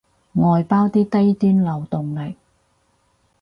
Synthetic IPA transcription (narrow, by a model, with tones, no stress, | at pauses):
ŋɔː˨jpaː˥wt̪iː˥t̪ɐ˥jt̪yː˥nlɐ˨wt̪ʊ˨ŋlɪ˨k̚